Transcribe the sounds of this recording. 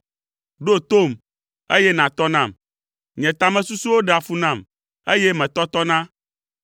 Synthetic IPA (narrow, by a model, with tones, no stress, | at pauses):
ɖo˦t̪o˦˨m | e˦jɛ˦nã˨t̪ɔ˦nã˦˨m | ɲɛ̃˨t̪a˨mɛ̃˦su˦su˦wo˦ɖe˨a˨fu˦nã˦˨m | ḛ˦jɛ˦mɛ̃˨t̪ɔ˦t̪ɔ˦nã˦